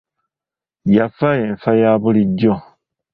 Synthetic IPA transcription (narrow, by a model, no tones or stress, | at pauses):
jafajeɱfajaβuliɟːo